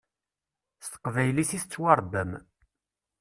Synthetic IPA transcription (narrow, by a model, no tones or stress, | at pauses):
st̪ə̥qvæjlisiθt͡sːwɑɾˤd̪əm